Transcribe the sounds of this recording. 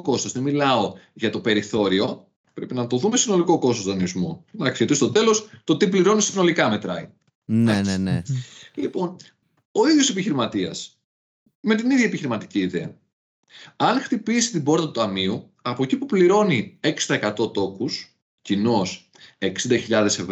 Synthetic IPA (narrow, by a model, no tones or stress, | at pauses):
oko̞st̪ozðemilɐoʝɐt̪o̞pe̞ɾiθo̞ɾio̞ | pɾe̞pinɐt̪o̞ðume̞sino̞liko̞ko̞st̪ost̪onizmunɐkset̪ist̪o̞t̪e̞lo̞st̪o̞t̪ip̬liɾo̞nisino̞likɐme̞t̪ɾɐ̰ḭ | nenelipo̞n | o̞iðʝo̞se̞p̬içiɾimɐt̪iɐ̰s | me̞t̪̬iniðʝjɐepiçiɾimɐt̪i̥ciːðe̞ɐ̰ | ɐnxt̪ipisi̥t̪ibo̞ɾt̪ɐt̪ut̪ɐmiu | ɐpo̞ecipupliɾo̞nieksi̥t̪ɐekɐt̪o̞t̪o̞kus | cino̞s | e̞ksind̪ɐçiʎɐðe̞sev